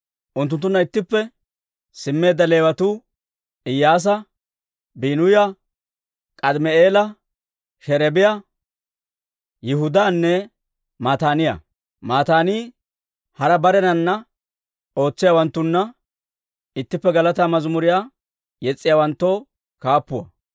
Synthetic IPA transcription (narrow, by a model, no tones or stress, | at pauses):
ʔʊnt̪̬ːʊnt̪ːʊnːɐɪt̪ːɪpːɛ | sɪmːe̞ːd̪ːɐle̞ːwɐt̪uː | ɪjːaːs̬ɐ | biːnʊjɐ | kʼɐd̪mɛeːlɐ | ʃɛɾɛbɪjɐ | jɪhʊd̪aːnːɛ | maːt̪aːnɪjɐ̰ | maːt̪aːniː | hɐɾɐbɐɾɛnɐnːɐ | o̞ːt͡sːɪjawɐnt̪ːʊnːɐ | ɪt̪ːɪpːɛɡɐlɐt̪aːmɐzmʊɾɪjaː | jɛt͡sʼːɪjaːwɐnt̪ːo̞ː | kaːpːʊwɐ̰